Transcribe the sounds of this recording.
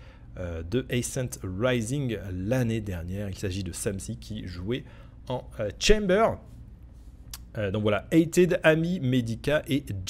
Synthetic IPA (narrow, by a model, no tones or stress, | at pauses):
ød̪əʔɛjsɛ̃t̪ʁajzĩŋlaned̪ɛʁnjɛʁilsaʒid̪əsamsikʲʰiʒuɛ | ɑ̃øt͡ʃɛ̃mbœʁ | ød̪ɔ̃kvwalaɛjt̪ed̪amimed̪ikʲaʔed͡ʒ